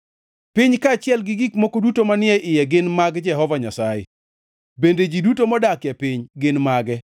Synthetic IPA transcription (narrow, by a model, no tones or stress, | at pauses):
pɪɲkat͡ʃɪɛlɡɪɡikmokodutomanɪɛʔɪjɛɡɪnmaɡd͡ʒɛɦɔvaɲasajḛ | bended͡ʒidutomɔdakjɛpɪɲɡɪnmaɡɛ